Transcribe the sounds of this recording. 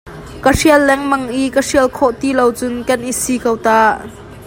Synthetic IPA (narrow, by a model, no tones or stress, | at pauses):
kəriəlːɛŋmɐŋʔikəriəlkʰɔʔt̪ilowt͡sʊnkɐnʔisikowt̪aːʔ